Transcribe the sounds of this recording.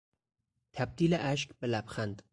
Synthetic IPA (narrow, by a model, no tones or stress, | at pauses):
t̪ʰæb̚d̪iːleʔæʃkbelæbxænd̪